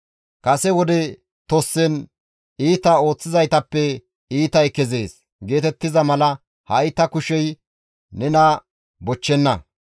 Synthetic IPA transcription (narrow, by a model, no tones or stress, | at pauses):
kɐsɛwɔd̪ɛ | t̪ɔsːɛn | iːt̪ɐo̞ːt͡sːɪzɐjt̪ɐpːɛ | iːt̪ɐjkɛze̞ːs | ɡe̞ːt̪ɛt̪ːɪzɐmɐlɐ | hɐjt̪ːɐkʊʃɛj | nɛnɐ | bɔt͡ʃːɛnːɐ̰